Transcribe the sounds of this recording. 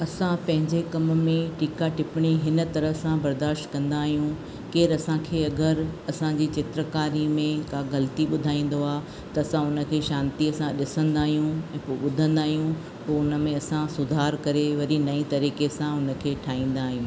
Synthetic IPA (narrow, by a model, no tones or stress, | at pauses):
ɐsãpɐ̃ɦɪ̃ɲd͡ʑekɐmmẽʈiːkaʈɪpɪɽ̃iɦɪnə̆t̪ɐɾəsãbɐɾd̪aːʃʈkɐ̃nd̪aːɦijũ | keːɾɐsãkʰeːɐɡəɾɐsãd͡ʑit͡ɕɪt̪ɾəkaːɾimẽkaːɡɐlt̪iɓʊd̪ʱaːĩːn̆d̪oaː | t̪ɐɐsãʊnə̆kʰeːʃãːnt̪iɐsãɗɪsə̃nd̪aːɦijũɛ̃ːpoːɓʊd̪ʱə̃nd̪aːɦijũ | poːʊnə̆mẽɐsãsʊd̪ʱaːɾkɐɾeʋɐɾinɐĩt̪ɐɾiːkesãʊnə̆kʰeːʈʰaːĩːn̆d̪aːɦijũː